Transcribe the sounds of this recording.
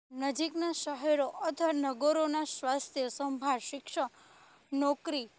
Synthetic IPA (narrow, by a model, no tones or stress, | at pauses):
nəd͡ʒiknaʃəɦɛɾoʔət̪ʰənəɡoɾonasʋast̪ʰjəsəmbʱaɾʃɪkʃə | nɔkɾi